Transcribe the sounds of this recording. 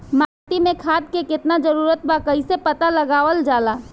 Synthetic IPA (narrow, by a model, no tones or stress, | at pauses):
maːt̪imẽkʰaːd̪̚kekɪt̪nad͡ʒəɾuːɾət̪̚bakəɪsepət̪aləɡaːʋəld͡ʒaːlaː